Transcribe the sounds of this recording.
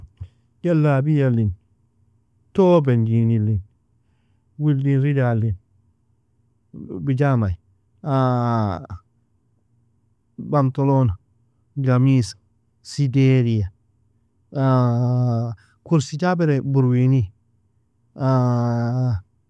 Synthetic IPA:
jalːabijalːin | tobend͡ʒinilin | wildinɾidalin | bid͡ʒamaj | a | bamtolona | ɡamisḁ | sideɾija | a | kuɾsid͡ʒabɛɾebuɾwini | a

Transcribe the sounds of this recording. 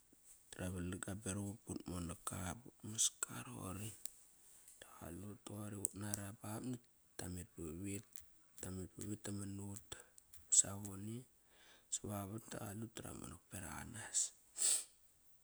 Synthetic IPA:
taɾaβalaɡabeɾuuputmonakaputmaskʰaɾo̰ɾi | taɣa̰lutoɾiutnaɾapapni | tːamit̚buβitː | amit̚buβitːamanutsaβoni | saβaβatta̰ɣalutaɾa̰mo̰nok̚peɾa̰a̰nas

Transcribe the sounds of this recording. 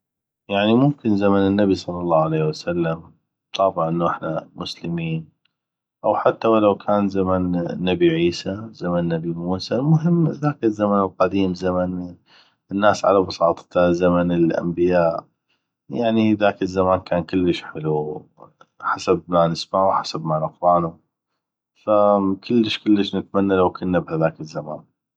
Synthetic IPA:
jaʕnimʊmkɪnzamanɪnːabisˤɑlːɑlˤːɑːʕaleːhwasalːam | b̚t̪ˤɑːbʕʔənːaʔɪħnamʊslɪmiːn | ʔawħat̪ːawalawkʰaːnzamanːabiʕiːsazamanːabimuːsalmʊɦɪmːðaːkɪzːamanəlqɑd̪iːmzaman | ɪnːaːsʕa̰labɑsˤɑːt̪ˤt̪azamanɪlʔa̰mbɪjaːʔ | jaʕniðaːkəzːamaːnkaːnkʊlːəʃħɪlu | ħasab̚manɪsmaʕuħasabmanɪqwaːnʊ | fakʰʊlːəʃkʊlːəʃnɪt̪manːalawkʊnːabhaðaːkɪzːama̰ːn

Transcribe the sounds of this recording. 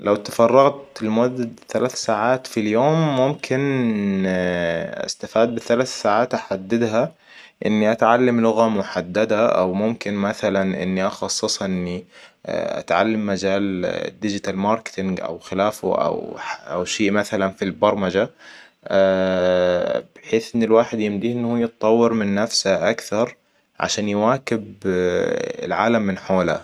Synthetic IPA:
lawt̪ḁfɑrˤːɑɣt̪ɪlmʊad̪ːad̪θalaːθsaːʕaːt̪filjoːmːʊmkʰɪn | ʔa̰st̪afaːd̪̚bɪθalaːθsaːʕaːt̪ʔaħad̪ːɪd̪ɦa | ʔɪ̰nːiʔat̪ʕalːamlʊɣamʊħad̪ːad̪aʔa̰wmʊmkɪnmaθalanʔɪ̰nːiʔɑxɑsˤːɨsˤhʔʔɪnːḭ | ʔa̰t̪ʕa̰lːamːad͡ʒaːld̪ɪd͡ʒɪt̪almɑɾˤkt̪ɪŋɡʔa̰wxɪlaːfʊ̰ʔa̰wħaʔa̰wʃeːʔmaθalanfilbɑɾˤmad͡ʒa | b̥ɪħeːθʔɪnːɪlwaːħɪd̪jɪmd̪iːʔɪnːhuːjɨt̪̚t̪ˤːɑwːɪɾmɪnːafsaʔakθɑɾˤ | ʕa̰ʃaːnjwaːkɪb | ɪ̰lʕaːlamːɪnħoːla̰

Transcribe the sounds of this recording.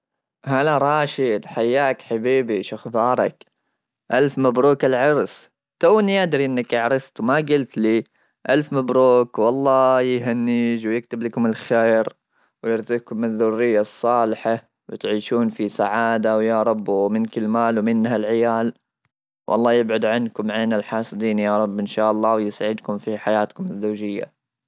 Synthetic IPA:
halaɾˤɑːʃid̪ħajːaːkħabiːbiʃʊxd̪ˤɑːɾˤɑ̰k | ʔalfmabɾuːkɪlʕɑɾs | t̪awːɪnijad̪ɾiʔɪnːakɪʕɾˤɑst̪wmaɡʊlt̪liː | ʔalfmabɾuːkwɑlˤːɑːjɦanːiːd͡ʒwjɪk̚t̪ɪblakʊmɪlxeːɾ | wjɪɾzikʊmːɪðːʊrːɪjːasˤːɑːlɪħa | wɪt̪ʕiːʃuːnfisaʕaːd̪awjaɾˤɑbːwmɪnkɪlmaːlwmɪnɦalʕɪjaːl | wʔɑ̰lˤːɑːjɪbʕʊd̪ʕankʊmʕeːnalħɑːsˤɨd̪iːnjaɾˤɑbːʔɪnʃaːʔɑlˤːɑːwjɪsaʕɪd̪kʊmfiħajaːt̪kʊmɪzːawːd͡ʒɪjːa̰

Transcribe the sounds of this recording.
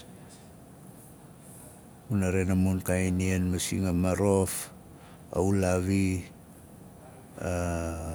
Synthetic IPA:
unaɾenamunkajnienmasḭŋamaɾo̞f | a̰ulaβi | a

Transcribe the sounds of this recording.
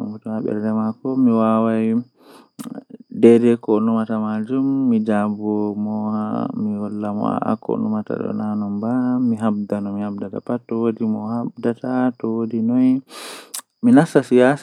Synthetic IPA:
utɔhaɓɛ̰ɾdɛmakɔmiwawaj | dɛɾɛkɔnumatamad͡ʒumːid͡ʒabɔmɔmiwɔlːamɔ̰a̰ʔa̰kɔ̰numata̰ɗɔ̰nanɔmbamiɦab̚danɔmihab̚data̰patɔwodimɔhab̚datatɔwodinɔj | minasasijas

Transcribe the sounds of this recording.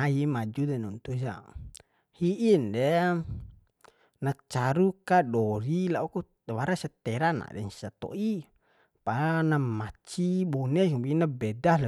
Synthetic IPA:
aimad͡ʒudanunt̪usa̰ | hiʔindɛ | nat͡ʃaɾukadɔɾilauku | waɾasɛt̪ɛɾana̰dɛ̰nsat̪o̰ʔi | panamat͡ʃibɔnɛsbinabɛdaɦl

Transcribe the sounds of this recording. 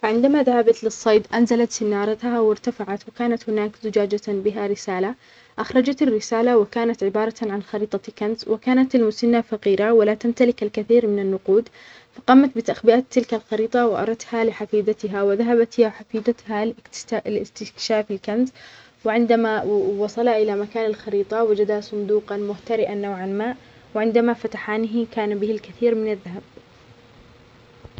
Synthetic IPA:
faʕɪnd̪amaðahabat̪lɪsˤːɑjd̪ʔanzalat̪sɪnːɑːɾˤɑt̪hawɪɾt̪afaʕat̪wɪkaːnat̪hʊnaːkzʊd͡ʒaːd͡ʒabɪɦaɾɪsaːla | ʔaxɾˤɑd͡ʒat̪ɪrːɪsaːlawɪkaːnat̪ʕɪbɑːɾˤɑʕanxɑɾiːt̪ˤɑkanzwɪkaːnat̪almʊsanːafɑqiːɾawalat̪amt̪alɪkalkaθiːɾmɪnanːʊquːd̪ | fɑqɑːmat̪̚bɪt̪aʔxbɪʔaːt̪ːɪlkalxɑɾiːt̪ˤɑwɪʔɑ̰ɾˤɑt̪halɪħafiːd̪at̪ɪɦawɪðaɦabat̪haħafiːd̪at̪halɪ̥lɪst̪ɪkʃaːfɪlkanz | wɪʕɪnd̪amawɑsˤɑlaʔɪlamakaːnalxɑɾiːt̪ˤɑwad͡ʒad̪asˤʊnd̪uːqɑnmʊht̪aɾɪʔanːawʕanmaːʔ | wɪʕɪnd̪amafat̪aħaːnɪɦkaːnabɪhɪlkaθiːɾmɪnaðːaɦab̚

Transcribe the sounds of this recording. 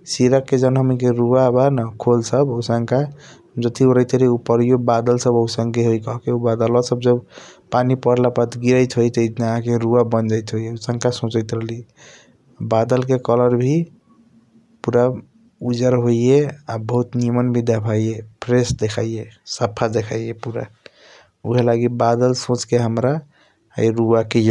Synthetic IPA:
siɾəkːed͡ʒənɦəmikeɾuabanakʰolsəbəʊsəŋka | d͡ʒət̪ioɾəjt̪ʰəliupəɾiobad̪əlsəbəwsəŋkeɦojkɔɦkeubad̪əlɔsəb̚d͡ʒəbpanipəɽ̤lapət̪ɡiɾəjt̪ɦojt̪əj̪nɦãkeɾuabənd͡ʒəjt̪ɦojeusəŋkasõt͡ʃəɪt̪ɾəɦli | abad̪əlkekələɾbʱi | puɾa | ud͡ʒəɾɦoieabəɦut̪niəmənbʱid̪apʰajepʰɾesd̪ekʰaijesəpʰːad̪ekʰajepuɾa | uɦelaɡibad̪əlsõt͡ʃkeɦəmɾa | ə̰jɾuakej

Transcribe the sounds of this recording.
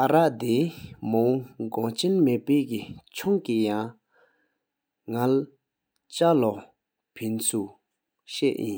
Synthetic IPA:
ʔaɹaʔt̪emoŋɡɔt͡ɕenmeʔpeːʔkit͡ɕʰɔŋkijaŋ | ŋal | t͡ɕalɔ | pʰensʰu | ɕɛʔjin

